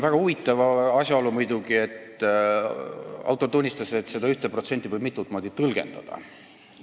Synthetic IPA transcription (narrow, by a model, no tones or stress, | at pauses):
væɡ̥ɑuvit̪ˑːɑvɑɑsʲjɑo̞lumujd̪̥uɡ̥ie̞t̪ˑ | ɑ̰wt̪ˑot̪unʲːist̪ɑse̞t̪se̞d̪ɑyht̪epro̞t̪se̞nʲt̪ʲːˑivəjbmit̪ːˑut̪ːˑmo̞ːd̪̥it̪ɤlɡ̥e̞̰nd̪̥ɑ̰d̪̥ɑ̰